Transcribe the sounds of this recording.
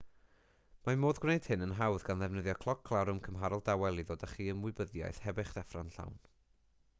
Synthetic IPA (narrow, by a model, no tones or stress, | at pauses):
mamoːðɡwnejd̥hɪnənɦawðɡanðɛvnəðjɔkʰlˠɔkʰːlˠawɾʊmkʰəmɦaɾɔlˠdawɛlˠiðoːdaχiːənwɪɨbəðja̰jθhɛbɪχd̥ɛfranɬa̰wn